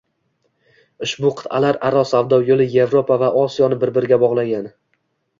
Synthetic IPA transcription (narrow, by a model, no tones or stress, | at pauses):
ʊʃbʊqʰɨ̥t̪ʰalaɾaɾɒsavd̪ɒwjolˠɪje̞vɾopʰavaʔɒsijɒnɪbɪɾbɪɾɪɡʲabɒʁlˠaɡʲan